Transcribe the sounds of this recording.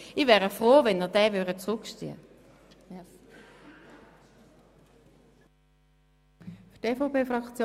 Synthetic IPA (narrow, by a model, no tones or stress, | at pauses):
ivɛːʁəfʁoːvɛnəʁdɛːvøʁdət͡sʁʊkʃt͡sy̰ːə̰ | ftefopeːfʁɑkt͡sjo